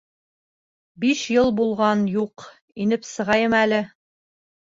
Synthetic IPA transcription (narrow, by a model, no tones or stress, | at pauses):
biʃjɤlˠbulˠʁɑnjuq | inɘpsɤ̆ʁɑjɤmælɘ